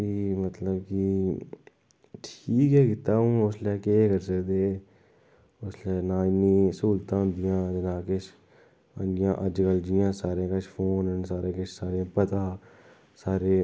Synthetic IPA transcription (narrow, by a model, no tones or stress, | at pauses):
iːmət̪ləbki | ʈʰiːkɦɛːkɪt̪ːaːũːʊslɛːkekəɾsəkd̪eː | ʊslɛːnaːɪniːsuːlt̪ãːnd̪ɪjãːd͡ʒənaːkɪt͡ʃʰ | ə̰̃d͡ʒɪjãːʔəd͡ʒɡəld͡ʒɪjãːsaːɾẽːkət͡ʃpʰoːnənsaːɾeːkɪt͡ʃʰsaːɾẽpət̪ãː | saːɾeː